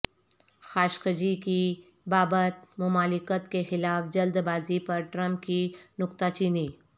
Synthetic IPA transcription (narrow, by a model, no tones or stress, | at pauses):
xaːʃkəd͡ʒiki | baːbət̪̚mʊmaːlɪkət̪kexɪlaːfd͡ʒɐld̪baːzipɐɾʈɾɐ̃mp̚kinʊkt̪at͡ʃiniː